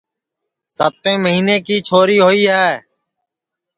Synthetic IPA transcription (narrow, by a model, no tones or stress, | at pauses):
sət̪ẽːməɦiːnẽːkiːt͡ʃʰoːɾiːɦoːiːɦɛː